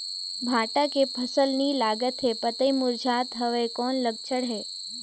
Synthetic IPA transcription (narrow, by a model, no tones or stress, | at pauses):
bʱaʈakepʰəsəlnilaɡət̪ɦepət̪əjmuɾd͡ʒʱat̪ɦəʋekɔnləɡ̚t͡ʃʰəɽɦe